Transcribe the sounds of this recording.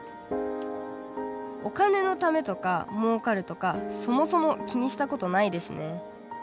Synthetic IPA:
o̞̰kane̞no̞t̪ame̞t̪o̞kamo̞ːkaɾɯ̟t̪o̞kaso̞mo̞so̞mo̞kʲiɲ̟iɕi̥t̪ako̞t̪o̞naid̪e̞sɨne̞

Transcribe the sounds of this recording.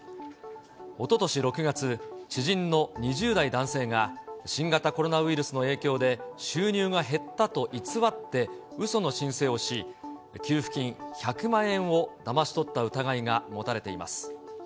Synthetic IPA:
o̞t̪o̞t̪o̞ɕiɾo̞kɯ̟ɡat͡sɨɕiʑĩnːo̞ɲ̟iʑɨːd̪aid̪ãɰ̃se̞ːŋaɕĩŋɡat̪ako̞ɾo̞naɯ̟iɾɯ̟sɨno̞e̞ːkʲo̞ːd̪e̞ɕɨːɲʲɨːɡaɦe̞t̪ːat̪o̞ʔit͡sɨβat̪ːe̞ | ɯ̟so̞no̞ɕĩɰ̃se̞ːo̞ɕikʲɨːɸɯ̟̥kʲĩɰ̃çakɯ̟mãɰ̃ẽ̞ɰ̃o̞d̪amaɕi̥t̪o̞t̪ːaɯ̟t̪aɡaiɡamo̞t̪aɾe̞t̪e̞ima̰sɨ̥

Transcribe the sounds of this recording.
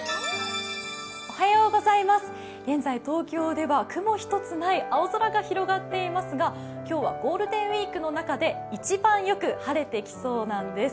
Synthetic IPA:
o̞hajo̞ːɡo̞zaimasɨ̥ | ɡ̥ẽ̞nzait̪o̞ːkʲo̞ːd̪e̞βakɯ̟mo̞çi̥t̪o̞t͡sɨnaiʔaozoɾaɡaçiɾo̞ɡat̪ːe̞imasɨɡa | kʲo̞ːβa̰ɡo̞ːɾɯ̟d̪ẽ̞ɰ̃ɥʲiːkɯ̟no̞nakad̪e̞ | it͡ɕibãɰ̃jo̞kɯ̟haɾe̞t̪e̞kʲi̥so̞ːnãnd̪e̞sɨ̥

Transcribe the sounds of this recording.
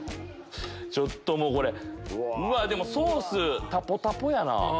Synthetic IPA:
t͡ɕo̞t̪ːomoːko̞ɾe̞ɯ̟βad̪e̞mo̞soːsɨt̪apːo̞t̪apojana̰

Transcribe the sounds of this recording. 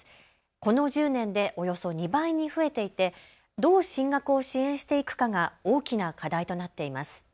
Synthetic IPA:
ko̞no̞ʑɨːnẽ̞nd̪e̞ʔo̞jo̞so̞ɲ̟ibaiɲ̟iɸɯ̟e̞t̪e̞it̪e̞ | d̪o̞ːɕĩŋɡakɯ̟o̞ɕiẽ̞ɰ̃ɕi̥t̪e̞ikɯ̟̥kaɡao̞ːkʲinakad̪ait̪o̞nat̪ːe̞imasɨ̥

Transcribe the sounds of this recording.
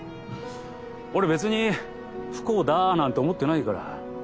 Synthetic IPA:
o̞ɾe̞be̞t͡sɨɲ̟i | ɸɯ̥ko̞ːd̪anãnt̪o̞ːmo̞t̪ːe̞naikaɾa̰

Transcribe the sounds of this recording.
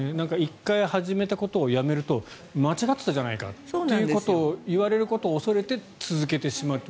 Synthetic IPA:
enãŋkaikːaihaʑime̞t̪ako̞t̪o̞ːjame̞ɾɯ̟t̪o̞ | mat͡ɕiɡat̪ːɨ̥t̪ːaʑanaika̰t̪oːnejɯ̟ko̞t̪o̞ːiβaɾe̞ɾɯ̟ko̞t̪o̞ːso̞ɾe̞t̪e̞ | t͡sɨzɨke̞t̪e̞ɕimaɯ̟t̪ːo

